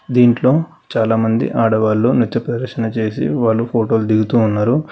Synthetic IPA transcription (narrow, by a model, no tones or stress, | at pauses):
d̪iːɳʈlo̞ː | t͡ʃaːlaːmɐnd̪ḭʔaːɽɐʋaːlːoːnit̪ːjɐpɾɐd̪ɐɾkʂɐnɐt͡ʃe̞ːsḭʋaːɭːupʰoːʈo̞ːld̪iɡut̪uːnːaːɾu